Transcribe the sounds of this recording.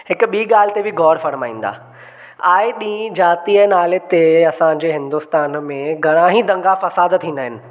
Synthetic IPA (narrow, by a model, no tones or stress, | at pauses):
hɪkʊ̆ɓiːɠaːl̤ɪt̪ebɪɡɔːɾfɐɾmaːĩːn̆d̪a̰ː | aːeɗĩːd͡ʑaːt̪iənaːlet̪eɐsãɲd͡ʑeːɦɪ̃nd̪ʊst̪aːnmẽɡʱɐɽ̃ãːɦĩd̪ɐ̃ŋɡafɐsaːd̪t̪ʰiːnd̪əɦɪnɪ̆